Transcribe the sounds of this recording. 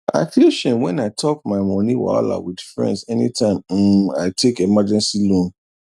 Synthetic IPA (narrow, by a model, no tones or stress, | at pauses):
ʔa̰ɪfilʃɛ̃nwɛ̃naɪtʰɔkmaɪmɔ̃niwa̰la̰widfɹɛ̰̃ndsɛnitʰãɪ̃mm̩a̰ɪtʰekimad͡ʒɛ̃nsilɔ̃n